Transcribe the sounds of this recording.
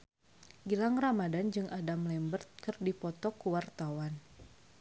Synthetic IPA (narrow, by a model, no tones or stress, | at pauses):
ɡilaŋramadand͡ʒɨŋʔadamlɛmbərt̪̚kɨrdipɔt̪ɔkuwart̪awan